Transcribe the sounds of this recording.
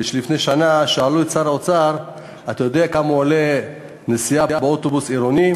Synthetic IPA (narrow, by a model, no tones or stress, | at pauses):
iʃlifneʃanaʃealuett͡saɾaot͡saʁ | at̪ajo̞deakamuale | nesiaabeot̪obusiɾoni